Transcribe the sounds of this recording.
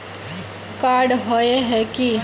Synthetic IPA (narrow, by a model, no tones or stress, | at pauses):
kaɾɖɦoeɦɛki